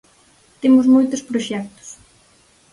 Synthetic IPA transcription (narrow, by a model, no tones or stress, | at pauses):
t̪emʊzmojt̪ʊspɾoʃɛk̚t̪ʊ̥s